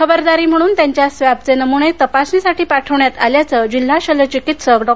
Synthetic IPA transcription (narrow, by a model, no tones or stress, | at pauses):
kʰəbəɾd̪aɾiːm̤əɽ̃uːnt̪jaɲt͡ɕjasʋab̚t͡senəmuɳ̃et̪əpasnisaʈʰiːpaʈʰəʋɳjat̪aljat͡səd͡ʑil̤ːaɕələt͡ɕikit̪səkɖɔ